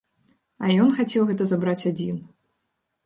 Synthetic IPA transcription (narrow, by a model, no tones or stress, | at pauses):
ɐjɔnxat͡sʲɛwɣɛt̪ɐzabɾat͡sʲad͡zʲin